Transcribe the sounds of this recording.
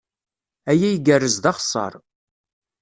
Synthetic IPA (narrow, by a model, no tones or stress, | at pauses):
æjæjəɡərːəzðɑχəsˤːɑ̰ɾˤ